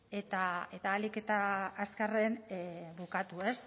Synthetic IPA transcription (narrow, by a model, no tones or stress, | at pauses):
e̞t̪ae̞t̪aːlike̞t̪aːskarenβukat̪ue̞s